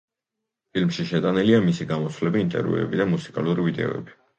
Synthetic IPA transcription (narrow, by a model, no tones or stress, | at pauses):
pʰilmʃiʃɛt̪ʼaniliamisiɡamɔsʰvlɛbiːnt̪ʼɛ̰ɾvṵɛ̰bid̪amusi̥kʼaluɾivid̪ɛ̰ɔ̰ɛ̰bi